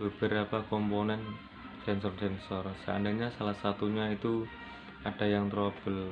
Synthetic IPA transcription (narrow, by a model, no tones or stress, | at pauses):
b̥əb̥ə̤ɾapakɔmponɛn | sɛnsɔrsɛnsɔrsəaa̰ndaɲasalahsat̪uɲait̪u | aɖ̥a̤jaŋt̪ɾob̥əl